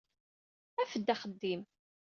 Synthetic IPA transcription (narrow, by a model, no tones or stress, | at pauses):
æfəd̪ːæχəd̪ːim